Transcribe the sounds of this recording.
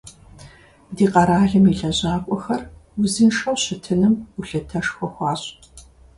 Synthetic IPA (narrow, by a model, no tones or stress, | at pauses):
diːqɐɾaːɮɨmiɬɐʑaːkʷʼɔxɐrʊzinʂɐwɕɪtʰɨnɨmʊɬɐtʰɐʂxʷɔxʷɑːɕʼ